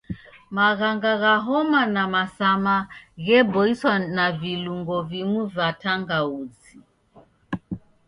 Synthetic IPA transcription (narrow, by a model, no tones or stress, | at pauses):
maɣaŋɡaɣaɦɔmanamasamaɣɛbɔiswanaviluŋɡɔvimuvataŋɡaud͡zi